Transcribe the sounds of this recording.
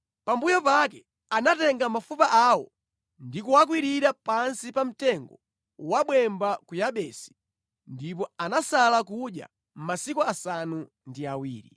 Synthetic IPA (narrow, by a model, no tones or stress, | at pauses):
pambujɔpakɛ | anatɛŋɡamafupaʔaːwɔ̰ | ndikuwak̬wiɾiɾapansipam̩tɛŋɡɔ | waɓwɛmbakujaɓɛsi̥ | ndip̬ɔanasalakuɗja̰ | m̩masikuasanu | ndiawḭːɾḭ